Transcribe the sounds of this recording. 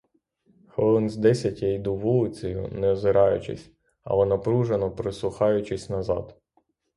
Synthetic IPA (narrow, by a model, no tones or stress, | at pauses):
xɔlˠɔnʲzʲd̪ɛsʲɐtʲɐjd̪uʋulˠɪt͡sʲɐjʊ̰nɛɔzɪɾɑjʊ̰t͡ʃɪ̰sʲ | ɐ̰lˠɔnɐpɾuʒenɔpɾɪsˠʊxɑjʊt͡ʃɪsʲnɐzɑ̰d̪